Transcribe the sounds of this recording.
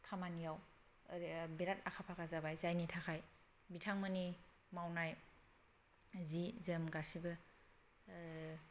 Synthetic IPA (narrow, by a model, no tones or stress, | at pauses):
kʰamanijaw | beɾatakʰapʰakʰazabajzajnitʰakʰaj | bitʰaŋmani | mawnaj | zizəmɡasibɯ